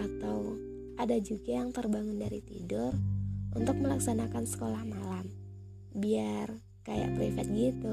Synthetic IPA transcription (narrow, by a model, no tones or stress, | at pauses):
at̪aw | ʔadad͡ʒuɡajaŋt̪ərbaŋʊndaɾit̪ḭdʊrunt̪ʊk̚məlaksanakansə̥kolahmalam | biar | kaja̰ʔpifat̪̚ɡit̪u